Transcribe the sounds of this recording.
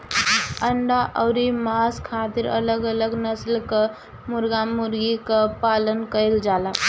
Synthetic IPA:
əɳɖaʔəʊɾimaskʰat̪iɾə̰ləɡələɡnəslke | muɾɡamuɾɡikəpalənkəɪld͡ʒala

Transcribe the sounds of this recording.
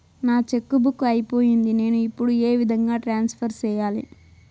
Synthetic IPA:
naːt͡ʃe̞kːubukːuɐjipo̞ːjind̪ine̞ːnuipːuɽue̞ːʋid̪ʱɐŋɡaːʈɾaːnspʰɐɾt͡ʃɛːjaːlḭ

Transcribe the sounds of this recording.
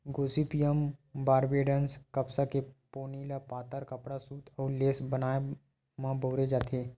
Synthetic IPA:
ɡoːsipijəmbaːɾbeːɖənskɐpsakepoːnilapaːt̪əɾkɐpɽasuːt̪ʰɔːɾleːsbənaːe | mãboːɾed͡ʒaːt̪ʰeː

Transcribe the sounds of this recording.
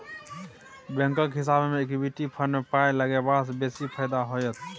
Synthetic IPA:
bɛ̃ŋkəkɦɪs̬abmeekibiʈipʰənmepaeləɡebad̪sbesipʰəjd̪aɦojət̪ʰ

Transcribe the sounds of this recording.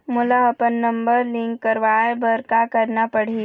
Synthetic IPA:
mʊlaɐpənːɐ̃mbəɾlɪ̃ŋkːəɾʋaebɐɾkakɐɾnapɐɽ̤i

